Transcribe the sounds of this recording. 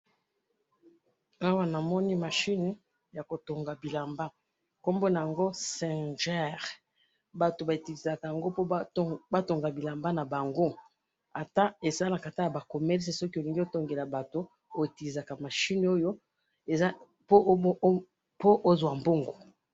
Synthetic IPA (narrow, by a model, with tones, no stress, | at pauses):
a˦wa˦na˨mɔ˦ni˦ma˨ʃi˦n˨˦ | ja˨ko˨to˨ŋɡa˨bi˨la˨mba˦ | ko˦mbo˦na˨ja˨ŋɡo˦sɛ̃˨ʒɛ˦˨ʁ | ba˨to˨ba˨e˨ti˨li˨za˨ka˨ja˨ŋɡo˦po˦ba˦to˨ŋɡa˨bi˨la˨mba˦na˨ba˨ŋɡo˦ | a˨ta˦e˨sa˦la˨ka˨ta˦ja˨ba˨ko˨mɛ˦ʁs̬e˨sɔ˦ki˦o˨li˦ŋɡi˦o˦to˦ŋɡe˨la˨ba˨to˨ | o˨e˨ti˨li˨za˨ka˨ma˨ʃi˦no˦jo˦ | e˨za˦ | po˦ | po˦ʔo˦zwa˨mbo˦ŋɡo˨